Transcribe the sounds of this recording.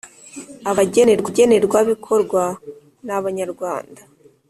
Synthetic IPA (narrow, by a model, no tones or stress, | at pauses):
aβaɟe̞neɾɡwaɟe̞ne̞ɾɡwaβikʰo̞ɾɡwa | naβaɲaɾɡwaːnda